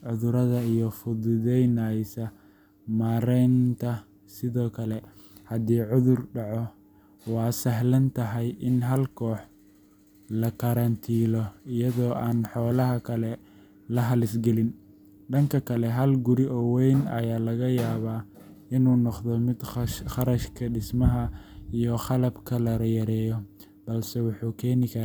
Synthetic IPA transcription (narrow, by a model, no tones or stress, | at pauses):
ʕʊðʊɾɐðɐijɔfʊðʊðɛjnajsɐ | maːɾɛjnt̪ʰɐ | sɪðɔːkʰɐlɛ | hɐd̪iːʕʊðʊrɖɑʕɔ | wɑːsɐɦlɐnt̪ʰɐɦɐjʔɪnɦɐlkʰɔːħ | lɐkɐɾɐnt̪ʰiːlɔijɐðɔːʔaːnħɔːlɐɦɐkʰɐlɛ | lɐɦɐlɪsɡɛlɪn | ɖɐŋkʰɐkʰɐlɛɦɐlɡʊɾiʔɔːwɛjnɐ̰jaːlɐɣɐjaːβaːɪnuːnɔqðɔmɪd̪χɑɾɐʃkʰɐɖɪsmɐɦɐijɔχɑlɐbkʰɐlɐɾɐjɐɾɛːjɔ | b̥ɐlsɛwɑħuːkʰɛːnɪkʰɐ